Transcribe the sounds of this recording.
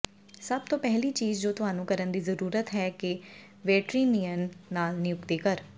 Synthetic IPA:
səb̚t̪õːpɛɦliːt͡ʃiːzd͡ʒoːt̪ʊaːnũːkəɾənd̪iːzəɾuːɾət̪ɦɛːkɪ | ʋɛːʈɾiːnijənːaːlnɪjʊkt̪ikəɾ

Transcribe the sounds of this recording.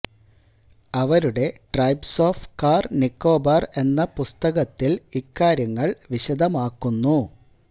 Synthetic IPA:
ɐʋɐɾuɽe̞ʈrɐjbso̞ːfʈkaːrnikːo̞ːbɐre̞nːɐpust̪ɐɣɐt̪ːilikːaːɾjɐŋːɐɭʋiɕɐd̪ʱɐmaːkːunːu

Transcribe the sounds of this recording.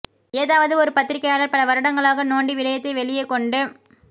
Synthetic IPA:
eːðaːʋɐðɯɔɾɯpɐt̪ːɪɾɪkːɐjaːɭɐlpɐɽɐʋɐɾɯɽɐŋɡɐɭaːɣɐnoːɳɖiʋɪɻɐjɐt̪ːɐɪʋɛɭɪjɐkːɔɳɖɯ

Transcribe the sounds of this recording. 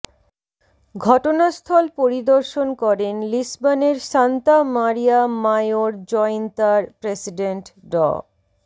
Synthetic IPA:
ɡʱɔʈonast̪ʰɔlpoɾid̪oɾʃonkɔɾenlisbaneɾʃant̪amaɾijamajoɾd͡ʑɔent̪aɾpɾesiɖeɳʈɖɔ̰

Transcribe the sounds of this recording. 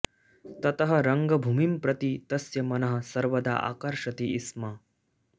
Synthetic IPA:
t̪ɐt̪ɐɦɐɾɐŋɡɐbʱumimpɾɐt̪it̪ɐsjɐmɐnɐɦɐ̆sɐɾʋɐd̪a̰ːʔa̰ːkɐɾʂɐt̪iisma

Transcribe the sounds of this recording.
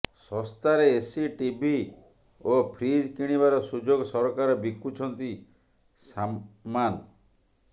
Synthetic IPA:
sɔst̪aɾeesiʈibʱi | opʰɾid͡ʒkiɽ̃iβaɾɔsud͡ʒoɡɔsɔɾɔkaɾɔbikːut͡ʃʰɔnt̪i | saman

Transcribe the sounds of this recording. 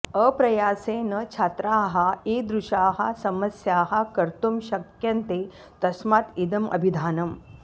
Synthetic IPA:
əpɾɐjaːseːnɐt͡ʃʰaːt̪ɾaːɦɐeːd̪ɾuʃaːɦɐ̰sɐmɐsjaːɦɐ̆kɐɾt̪umʃɐkjɐnt̪e | t̪ɐsmaːt̪id̪ɐmʔɐ̰bʱid̪ʱaːnɐm

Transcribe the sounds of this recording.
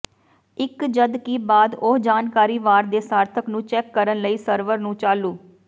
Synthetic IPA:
ɪkd͡ʒəd̪kiːbaːd̪ʊd͡ʒaːnkaːɾiːʋaːɾd̪eːsaːɾt̪ʰəknũːt͡ʃɛːkːəɾənləiːsəɾʋəɾnũːt͡ʃaːluː

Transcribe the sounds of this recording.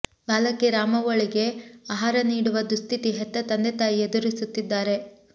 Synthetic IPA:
baːlɐkːeɾaːmɐʋoɭiɡe̞aːɦaːɾɐniːɽuʋɐd̪ust̪ʰit̪iɦɛt̪ːɐt̪ɐnd̪et̪aːjied̪uɾisut̪ːid̪ːaːɾe̞

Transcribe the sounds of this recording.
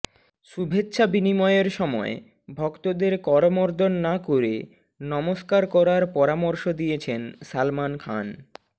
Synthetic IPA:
ʃubʱetːɕʰabinimɔeeɾʃɔmɔ̰e | bʱɔkt̪od̪eɾkɔɾomoɾd̪ʱonːakoɾḛ | nɔmoʃkaɾkɔɾaɾpɔɾamoɾʃod̪ijet͡ɕʰensalmankʰa̰n

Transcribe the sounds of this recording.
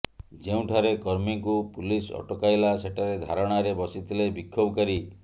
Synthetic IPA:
d͡ʒeũʈʰaɾekɔɾmiŋkupulisɔ̰ʈɔkajlaseʈʰaɾed̪ʱaɾɔɽ̃aɾebɔsit̪ʰilebikʰːobɔkaɾi

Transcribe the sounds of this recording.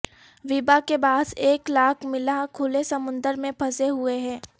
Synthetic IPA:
ʋibakebaːd̪eːklaːkʰmɪlakʰʊlesɐmʊ̃nd̪əɾmẽpʰɐseɦʊeɦɛ̃ː

